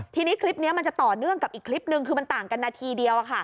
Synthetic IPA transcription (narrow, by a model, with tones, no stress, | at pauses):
t̪ʰiː˧niː˦˥kʰli˦˥p̚ni˦˥ɐma˧nt͡ɕa˨˩t̪ɔː˨˩nɯ˥˩əŋka˨˩p̚ʔiː˨˩kʰli˦˥p̚nɯ˧ŋkʰɯː˧ma˧nt̪aː˨˩ŋka˧nːaː˧t̪ʰiː˧di˧əwʔa˨˩kʰa˥˩